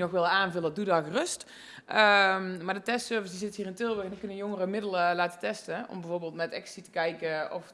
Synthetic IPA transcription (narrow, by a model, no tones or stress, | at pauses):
nɔxʋɪlˠəaːnvɵlədudɑxrɵst | əmaːɹdətɛstsøːɹvəsdizɪtəɦiːrɪntɪlˠʋəxɛndɔnkɵnəəjɔŋərəmɪdəlˠəlaːtətɛstəɔ̰mbɛjvoːɹbeːlˠtmɛtɛ̰kssitə̥kɛjkəɔ̰f